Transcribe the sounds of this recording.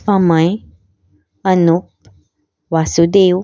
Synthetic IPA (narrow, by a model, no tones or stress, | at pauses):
pamãj | anuk̚ | wasud̪ew